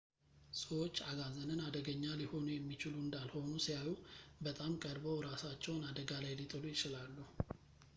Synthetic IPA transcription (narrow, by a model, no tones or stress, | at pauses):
səwot͡ʃːaɡazənɨnad̪əɡəɲːaliho̞nujɛmːit͡ʃɪluɨnd̪alho̞nusijajubət̪ʼamkʼəɾbəwɾasat͡ʃːɛwnad̪əɡalajlit̪ʼɨlujɪt͡ʃɪlalːuhu